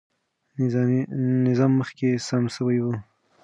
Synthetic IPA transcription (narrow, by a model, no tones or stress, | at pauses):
nɪzɑmːəxkesamʃəwajwu